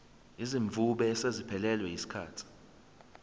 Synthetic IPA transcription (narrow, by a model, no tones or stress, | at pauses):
iziɱb̪vuɓɛːsezipʰɛlɛlwɛjisi̥kʰaːtʰi̥